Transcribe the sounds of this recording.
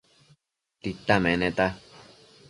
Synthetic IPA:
t̪it̪amẽnẽt̪a

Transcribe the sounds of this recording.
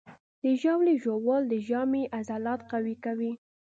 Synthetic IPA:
d̪̥əʒawleʒowɑld̪əʒɑmeʔazalɑt̪qawikawi

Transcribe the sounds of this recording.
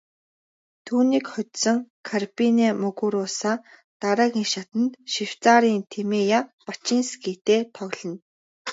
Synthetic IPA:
t̪ʰuːniːkχʊt̪sɞ̆ŋkʰarpineːmɵɣuɾʊːsaː | t̪aɾaːɣiŋʃat̪ə̆nt̪ʃiw̥t͡saːɾiːnt̪ʰemeːjapat͡ɕiːnskit̪eːt̪ʰɔɣɮɞ̆n

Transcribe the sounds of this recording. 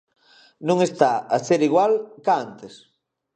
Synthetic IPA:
nũŋest̪aaseɾiɣwalkaant̪es

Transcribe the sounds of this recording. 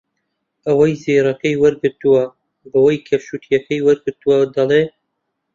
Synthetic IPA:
ɐwɐjziːɾɐkɐjwɐɾɡɨɾt̪uwɐ | bɐwɐjkʰɐfʃuːt̪ʰjɐkɐjwɐɾɡɨɾt̪uwɐd̪ɐlˠe

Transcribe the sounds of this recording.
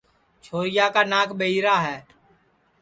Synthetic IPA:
t͡ʃʰoːɾɪjaːkaːnaːkʰɓəiːɾaːɦɛː

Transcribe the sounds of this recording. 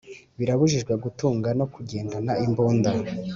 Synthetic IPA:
βiɾaβuʒiʒɡweɡutuːŋɡano̞kuɟe̞ːndanaimboːnda

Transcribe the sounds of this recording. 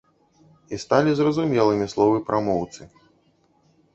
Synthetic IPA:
ist̪alʲizrɐzumʲɛlˠɨmʲislˠɔvɨpɾʔamɔwt̪sɨ

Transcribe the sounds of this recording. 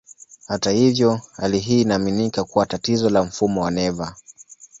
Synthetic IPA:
hatahivjɔhaliɦiːnaːminikakuwatatizɔlam̩fumɔwanɛva

